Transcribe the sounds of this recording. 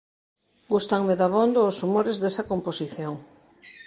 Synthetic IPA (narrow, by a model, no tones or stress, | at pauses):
ɡust̪aŋmeðaβond̪oːsumoɾezðesɐkomposiθjoŋ